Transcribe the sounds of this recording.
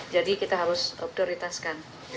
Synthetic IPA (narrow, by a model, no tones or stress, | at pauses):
d͡ʒadikit̪aɦaɾʊsɔ̰p̚t̪oɾit̪askan